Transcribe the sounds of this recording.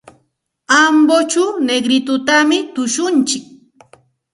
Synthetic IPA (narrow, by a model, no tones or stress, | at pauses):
ambot͡ʃawneɡɾɪt̪ʊt̪amɪt̪ʊʃʊnt͡ʃɪk̚